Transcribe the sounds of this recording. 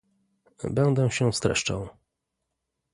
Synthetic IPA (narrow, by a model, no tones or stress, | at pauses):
bɛnd̪ɛ̃ɕɛfst̪ɾɛ̰ʂt͡ʂa̰w